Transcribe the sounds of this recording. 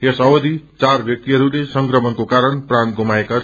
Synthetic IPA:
esʌwʌd̪it͡sarbʱjʌk̚t̪iɦʌɾulesʌŋkrʌmʌnkokaɾʌnpranɡʱomaeka

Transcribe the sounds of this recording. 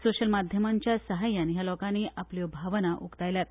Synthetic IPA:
soɕəlmad̪ʱjəmaɲt͡ɕjasəɦajanjalɔkaniːʔapljobʱaʋənaʔukt̪ajljat̪̚

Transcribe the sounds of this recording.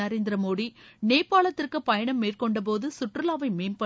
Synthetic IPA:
ɐɾeːnd̪ɪɾɐmoːɽineːpːaːɭɐt̪ːɪrkɯpɐjɐɳɐmːeːrkɔɳɖɐp̬oːðɯsʊʈrɯlaːʋɐɪmeːmpɐ

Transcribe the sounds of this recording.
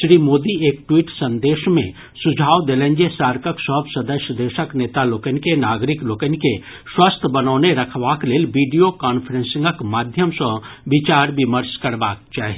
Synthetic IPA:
ʃɾiːmoːd̪ieːkʈwiːʈsə̃nd̪eːʃmḛ̃ | sʊd͡ʒʱaːʋd̪eːlẽːɲd͡ʒesaːɾkəksəɦbsəd̪əʃjəd̪eːʃəkneːt̪aloːkənkenaːɡɾɪkloːkənke | swəst̪ʰbɐnɔːneɾɐkʰʋaːkleːlʋiːɖijokaːnfʰəɾẽnsɪ̃ŋɡəkmaːd̪ʱjəmsəʋɪt͡ʃaːɾʋɪməɾskəɾbaːk̚t͡ʃaːɦe

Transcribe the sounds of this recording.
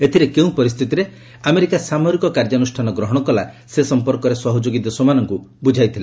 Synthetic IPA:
et̪ʰiɾekeũpɔɾist̪ʰit̪iɾe | ameɾikasamɔɾikɔkaɾd͡ʒɔnusʈʰanɔɡɾɔɦɔɽ̃ɔkɔlasesɔmpɔɾkɔɾesɔɦɔd͡ʒoɡit̪ɔsɔmanɔŋkubud͡ʒʱajt̪ʰile

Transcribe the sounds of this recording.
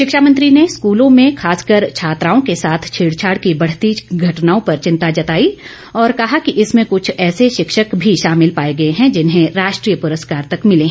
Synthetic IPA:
ʃɪkʃaːmə̃nt̪ɾineskuːlõmẽxʰaːskəɾt͡ʃʰaːt̪ɾaːõkesaːt̪ʰt͡ʃʰiːɽt͡ʃʰaːɽkibɐɽ̤t̪iːt͡ʃɡʱɐʈnaːõpɐɾt͡ʃɪ̃nt̪ad͡ʒɐt̪aːi | ɔːɾkɐɦakiʔɪsmẽkʊt͡ʃʰɛːseʃɪkʃəkbʱiʃaːmɪlpaːeɡɐeɦɛ̃d͡ʒɪnɦẽɾaːʃʈɾiːjəpʊɾəskaːɾt̪ɐkmɪleɦɛ̃

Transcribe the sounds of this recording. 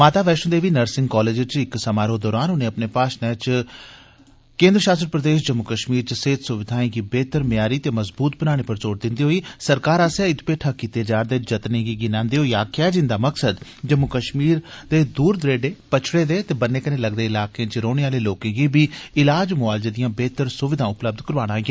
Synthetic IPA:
maːt̪aːʋɛːʃənd̪eːʋiːnəɾsɪ̃ŋɡkɔːleːd͡ʒət͡ʃɪksəmaːɾoːd̪ɔːɾaːnɦʊnẽːəpneːpaːʃnɛ̃ːt͡ʃ | kẽːnd̪ɾəʃaːst̪ɾəpɾəd̪eːʃ̬d͡ʒəmːʊkəʃmiːɾt͡ʃseːt̪sʊʋɪd̪ʱaːĩːɡiːbeːt̪əɾmɪjaːɾiːt̪eːməzbuːt̪̚bənaːɽ̃eːpəɾt͡ʃoːɽd̪ɪnd̪iːɦoːiːsəɾkaːɾaːsaːɪt̪peːʈʰaːkiːt̪eːd͡ʒaːɾd̪eːd͡ʒət̪nẽːɡiːɡɪnãːnd̪eːɦoːiaːkɛːd͡ʒɪ̃nd̪aːməksəd̪d͡ʒəmːʊkəʃmiːɾd̪eːd̪uːɾd̪ɾeːɖeːpət͡ʃʰɽeːd̪eːt̪eːbənːeːkənẽːləɡd̪eːɪlaːkẽːt͡ʃɾoːɽeːaːleːloːkẽːɡiːbiːɪlaːd͡ʒmʊaːld͡ʒəd̪ɪjãːbeːt̪əɾsʊʋɪd̪ʱãːʊpləb̚d̪kəɾʋaːɽ̃aːĩɡeː

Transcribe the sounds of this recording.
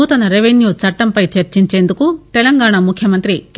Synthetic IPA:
uːt̪ɐnɐɾeʋenjuːt͡ʃɐʈːɐmpɐjt͡ʃɐɾt͡ʃiɲt͡ʃeːnd̪ukut̪elɐŋɡaːɳɐmukʰjɐmɐnt̪ɾik

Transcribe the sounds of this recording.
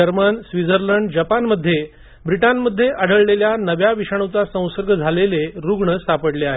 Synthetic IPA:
əɾmənsʋid͡zəɾləɳɖd͡ʑapanməd̪ʱːje | bɾiʈanməd̪ʱːjeʔəɽ̤əɭleljanəʋjaʋiʂaɳ̃ot͡sasə̃w̃səɾɡʱəd͡zʱaleleɾuɡɳəst̪ʰapəɽleaɦe

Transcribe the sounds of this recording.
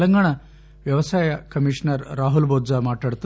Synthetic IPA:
lɐŋɡaɳ̃a | ʋjɐʋɐsaːjɐkɐmiʂnəɾɾaːɦulbod̪d͡zamaʈaɽt̪

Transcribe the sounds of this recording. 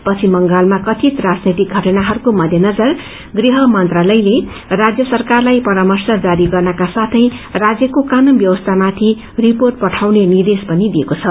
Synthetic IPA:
pʌt͡sʰimʌŋɡalmakʌt̪ʰit̪rad͡znit̪ik̚ɡʱʌʈʌnaɦʌɾukomʌd̪ʱjenʌd͡zʌr | ɡriɦʌmʌnt̪ralʌjle | rad͡zjʌsʌrkarlajpʌɾamʌrsʌd͡zaɾiɡʌrnʌkasat̪ʰʌjrad͡zjʌkokanunbjʌwʌst̪ʰamat̪ʰi | riporʈ̚pʌʈʰawnenird̪espʌnid̪iekot͡sʰʌ

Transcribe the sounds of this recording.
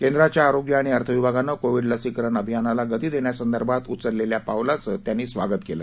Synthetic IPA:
kend̪ɾat͡ɕjaːɾoɡjəaɽ̃iəɾt̪ʰəʋibʱaɡanːəkoʋiɽləsikəɾəɳəbʱjanalaɡət̪iːd̪eɳjasənd̪əɾbʱat̪ut͡səɾleljapaʋlat͡sət̪janːiːsʋaɡət̪kelə̰

